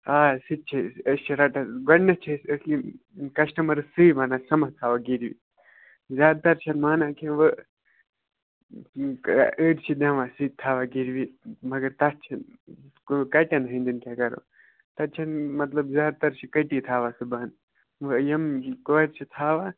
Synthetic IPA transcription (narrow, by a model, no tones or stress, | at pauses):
aːsit̪̚t͡ʃʰɐɐst͡ʃʰɐɾɐʈɐɡɐɽnɐt͡ʃʰɐsɐsli | kɐʃʈɐmɐɾɨsɨibɐːnaːsɐmɐt̪ʰaːʋaɡiɾʋḭ | zʲaːd̪̚t̪ɐɾt͡ʃʰɐnmaːnaːkʰẽʋə | əːʈt͡ʃʰid̪ɐ̃ːʋaːsit̪ʰːaːʋaɡiɾʋimɐɡɐɾt̪ɐt̪̚t͡ʃʰɐnkokɐʈʲɐnɦɐnd̪ɨnkʲakɐɾo̰ | t̪ɐt̪̚t͡ʃʰɐnmɐt̪lɐbzjaːd̪̚t̪ɐɾt͡ʃʰikɐʈit̪ʰaːʋasɨbaːn | ʋɨjɐmkoːɾt͡ʃʰit̪ʰaːʋa